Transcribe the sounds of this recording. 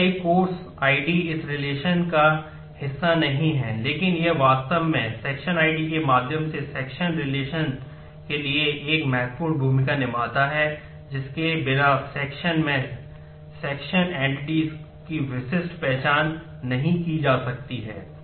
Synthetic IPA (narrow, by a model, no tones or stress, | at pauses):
kɐikoːɾs | aːiɖiɪsɾɪleːʃənka | hɪsːanɐɦĩɦɛleːkɪnjɐɦʋaːst̪əʋmẽsɛːkʃənaːiɖikemaːd̪ʱjəmsesɛːkʃənɾɪleːʃən | kelieʔeːkmɛːk̚puːɾbʱuːmikanɪmaːt̪aɦɛ | d͡ʒɪskebɪlaːsɛːkʃənmẽ | sɛːkʃənɛ̃ːɳʈɖis | kiʋɪʃɪsʈpɛɦt͡ʃaːnː | ɐɦĩkid͡ʒaːsɐk̚t̪iɦɛ̰ː